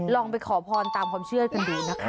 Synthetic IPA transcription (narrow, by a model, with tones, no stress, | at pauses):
lɔː˧ŋpa˧jkʰɔː˩˦pʰɔː˧nt̪aː˨˧mkʰwaː˧mt͡ɕʰɯ˥˩ɐka˧nduː˧˩na˦˥kʰ